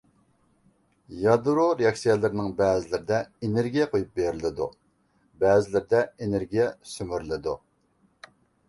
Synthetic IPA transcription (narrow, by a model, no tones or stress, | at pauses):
jɑd̪ɾoɾejɑksijɛlˠɪɾnɪŋbɛːzɪlɪɾɪd̪ɛeneɾɡʲijɛqʰojup̚beɾɪlɪd̪ṵ | bɛːzɪlɪɾɪd̪ɛeneɾɡʲijɛsymyɾlɪd̪u